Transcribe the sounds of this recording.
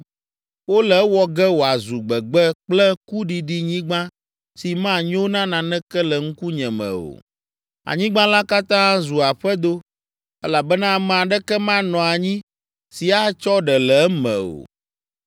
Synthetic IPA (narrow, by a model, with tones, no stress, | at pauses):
wo˦lɛ˨˦wɔ˨ɡɛ˦wo˨a˨zu˨ɡ͡bɛ˨ɡ͡bɛ˦k͡plɛ˦ku˦ɖi˨ɖi˦ɲĩ˦ɡ͡bã˦ | si˨mã˦˨ɲĩ˦wo˦nã˦nã˨nɛ̃˦kɛ˦lɛ˨ŋ̩˦ku˦ɲɛ̃˨mɛ̰̃˨o̰˨ | a̰˨ɲĩ˦ɡ͡bã˦la˦ka˦t̪ã˦zu˨a˨ɸɛ˦d̪o˦ | ɛ˦la˨bɛ˦nã˦˨mɛ̃˨a˨ɖɛ˦kɛ˦mã˦nɔ̃˨a˨ɲĩ˦ | si˨a˦t͡ʃɔ˦ɖɛ˨lɛ˨ɛ˦mɛ̰̃˨o̰˨